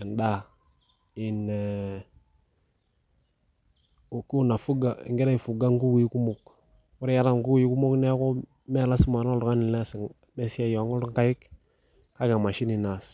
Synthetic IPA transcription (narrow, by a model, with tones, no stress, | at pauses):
e˨nda˦˨ | i˨ne˨ | o˨ku˦u˦na˨fu˦ɡa̰˨ŋɡi˦ɾa˦i˨fu˨ɡa˦ŋɡu˦kji˦ku˦mo˨k | wu˦ɾe˦ja˦ɾa˦˨ŋɡu˦kji˦ku˦mo˦knɛ˦ko˦ | mɛ˦˨la˦si˦ma˨no˦lka˦ni˨lɛ˦sŋ | me˦si˦a˦jo˨a˨ŋo˦ɾŋka˦ji˦k | ka˦ɡa˨ma˨ʃi˦ni˨na˨s